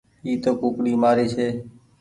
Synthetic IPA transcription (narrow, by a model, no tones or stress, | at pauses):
iːt̪oːkuːkɽiːmaːɾiːseː